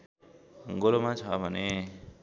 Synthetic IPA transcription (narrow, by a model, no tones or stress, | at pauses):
ɡolomat͡sʰʌbʱʌne